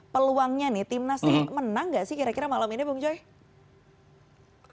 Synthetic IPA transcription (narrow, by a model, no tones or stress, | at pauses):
pəluaŋɲanɪht̪imnasnɪhmənaŋɡaʔsɪhkiɾakiɾamalaminibuŋd͡ʒɔj